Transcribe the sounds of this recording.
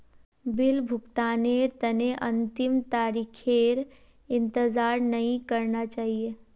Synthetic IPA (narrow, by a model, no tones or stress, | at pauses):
bɪlbʱʊkt̪aːneɾt̪əneʔənt̪ɪmt̪aːɾikʰeɾ | ɪnt̪əzaːɾnəɦĩkəɾnat͡ʃaːɦije